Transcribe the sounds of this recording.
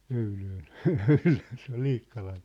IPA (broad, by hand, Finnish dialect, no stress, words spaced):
øyløːn jɑ øyløːn̞ se ol liːkːɑlɑn̞